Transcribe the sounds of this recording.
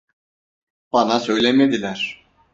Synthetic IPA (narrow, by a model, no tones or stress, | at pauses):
b̥ɑnasø̞jlʲemed̪ilʲæɾ̥